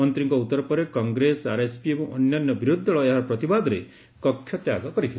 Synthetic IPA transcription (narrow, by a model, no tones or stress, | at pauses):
ɔnt̪ɾiŋkɔut̪ːɔɾɔpɔɾekɔŋɡɾesaɾespiebɔ̃ɔnjanːɔbiɾud̪ʱːɔɭɔeɦaɾɔpɾɔt̪ibad̪ɔɾe | kɔkʰːjɔt̪jaɡɔkɔɾit̪ʰil